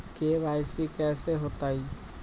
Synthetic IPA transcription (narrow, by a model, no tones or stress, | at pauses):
keβajsikɛseɦot̪aj